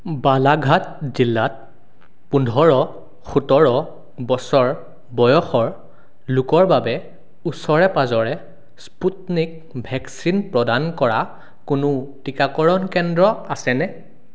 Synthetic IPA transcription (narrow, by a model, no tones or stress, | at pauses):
balaɡʱat̚zilːat̚ | pundʱɔɹɔ | xutɔɹɔ | bɔsɔɹ | bɔjɔxɔɹ | lʊkɔɹbabɛ | usɔɹɛpazɔɹɛ | sputnik̚ | bʱɛksinpɹɔdankɔɹa | kʊnʊtikakɔɹɔnkɛndɹɔasɛnɛ